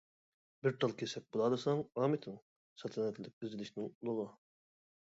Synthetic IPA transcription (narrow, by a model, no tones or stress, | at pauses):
bɪɾt̪ʰɑlˠkʲʰesɛk̚bolˠɑːd̪ɨsɑŋɑːmɪt̪ʰɪŋ | sɑt̪ʰɛnɛt̪ʰlɪɪk̚ʲyzɪlɪʃnɪŋulˠʊʁɑ